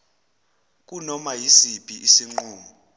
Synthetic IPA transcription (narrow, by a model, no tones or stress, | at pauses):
k̬ʼunɔmajisipʼiʔisiŋ͡ǃuːmu